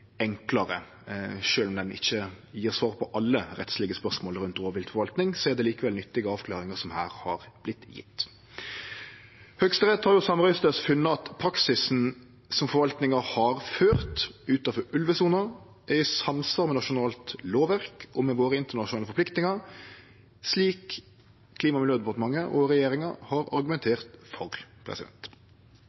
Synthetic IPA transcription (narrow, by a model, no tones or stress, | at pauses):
ɛŋklɑɾə | ʃøːlɔmd̪ɛnɪ̰çːə | jiːʁsʋɑːʁpʰɔʔɑlːəɾɛ̰t̪slɪɡəspœʁsmoːlɾʉnt̪oːʋʋɪlt̪fɔɾʋɑlt̪nɪŋsɔæʁd̪ɛliːkəʋɛlnʏt̪ːɪɡəɑːʋkʰlɑːɾɪŋəsɔmhæ̰ːɾhɑɾb̥lɪt̪jɪ̰t̪ː | hœkst̪əʁɛt̪ːhɑɾjʊsɑmʁɑst̪əsfʉnːəɑt̪pʰɾɑksɪsn̩ | sɔmfɔɾʋɑlt̪nɪŋəhɑɾføːʁt̪ʉːt̪ɑfɔɾʔʉlʋəsuːnɑ | ʔæɪsɑmsɑɾmɛnɑʃʊnɑːlt̪loːʋæʁkɔmɛʋoːɾəɪnt̪əʁɳɑʃʊnɑːləfɔɾpʰlɪkt̪nɪŋɑɾ | sliːkʰː | liːmɑmɪljøːd̪ɛpɑʁt̪əmɑŋːəʔɔʁɛjeːɾɪŋɑhɑɾɑ̰ɾɡʉmɛnt̪ʰeːʁt̪fɔʁpʰɾɛ̰sɪd̪ɛ̰nt̪